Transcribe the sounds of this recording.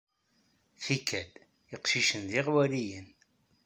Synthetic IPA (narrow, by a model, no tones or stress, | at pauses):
θikʰːæd̪ | iqʃiʃənðɪʁwælijən